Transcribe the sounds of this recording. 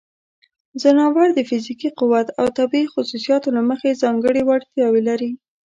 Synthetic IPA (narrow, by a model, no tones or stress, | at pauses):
zanɑwaɾd̪əfɪzikiqʊwat̪a̰wt̪abiixʊsusijɑt̪olaməxezɑŋɡəɽiwaɽt̪jɑwelaɾi